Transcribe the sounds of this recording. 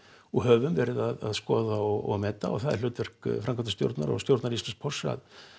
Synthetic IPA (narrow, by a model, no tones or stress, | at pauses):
ɔɦœvʏmvɛɾɪðaðaðskɔːðaɔɣɔɣmɛːt̪a̰ɔ̰ɣθaðɛɾ̥lʏːt̪vɛr̥kfɾamŋkʰant̪st̪jo̰wɾt̪na̰ɾɔ̰ɣst̪jowɾt̪naɾislansk̚pʰɔrsa̰ð